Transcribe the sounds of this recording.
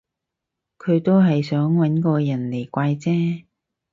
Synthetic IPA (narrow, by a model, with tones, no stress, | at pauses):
kʰɵ˨˧ɥt̪o˥wɦɐ˨jsœː˨˥ŋwɐ˨˥nkɔː˧jɐ˨˩nle˨˩jkʷaː˧jt͡sɛː˥